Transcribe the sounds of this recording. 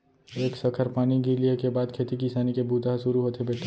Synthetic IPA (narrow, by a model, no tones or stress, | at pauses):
eːksɐkʰəɾpaːniɡiɾliekebaːd̪̚kʰeːt̪ikɪsaːnikebuːd̪aɦsʊɾuɦoːt̪ʰebeːʈʰː